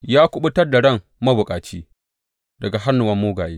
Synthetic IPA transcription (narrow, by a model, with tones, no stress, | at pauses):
jaː˦kʷʊ˦ɓʊ˦tɐ˦rda˨ɽɐ˦˨ŋ | mɐ˦bʊ˨kʼaː˨t͡ʃiː˦ | dɐ˨ɡa˨ɦa˦nːʊ˨wɐ˦mːoː˦ɡaː˨jeː˦